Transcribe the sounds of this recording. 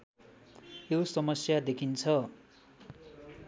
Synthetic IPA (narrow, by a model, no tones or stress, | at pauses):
josʌmʌsjad̪ekʰint͡sʰʌ